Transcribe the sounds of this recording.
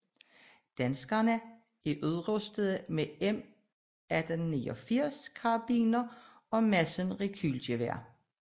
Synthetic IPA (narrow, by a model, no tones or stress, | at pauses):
d̥ænsɡ̥ɐnə | æʔyð̞ˠʁɔsd̥əðˠmeem | æd̥ennḭːɒ̽fiɐ̰skʰɑb̥ḭːnɐ | ɒ̽mæsənʁikʰyldəʋæɐ̰